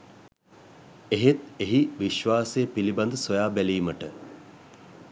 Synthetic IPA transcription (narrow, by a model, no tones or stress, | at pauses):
eɦet̪eɦiʋiʃʋaːsejːpiliband̪əsojaːbæliːməʈə